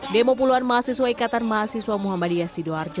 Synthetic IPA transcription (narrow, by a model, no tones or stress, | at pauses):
dɛmɔp̬uluanmaːsiswaikat̪anmaːsiswamuɦamadiasidɔard͡ʒɔ